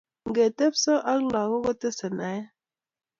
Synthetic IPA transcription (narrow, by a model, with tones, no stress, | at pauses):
ŋ̩˨ɡe˨te˦psɔ˦ʔa˦ŋ˦la˨ɣo˦ɣɔ˦tə˦sə˨na˨e˦